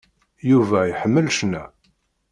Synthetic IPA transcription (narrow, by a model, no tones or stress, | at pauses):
juvæjħəmːəlʃnæ